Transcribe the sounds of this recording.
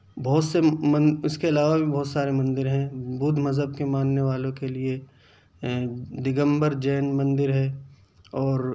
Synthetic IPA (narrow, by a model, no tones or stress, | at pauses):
bɔːt̪seɐ̃ʊskeɐlaːʋabibɔːt̪saːɾemɐ̃nd̪ɪɾɦɛ̃buːd̪ʱmɐzɦəbkemãːnːeʋaːlõkelie | d̪ɪɡə̃mbəɾd͡ʒɛːnmɐ̃nd̪ɪɾɦɛː | ɔːɾ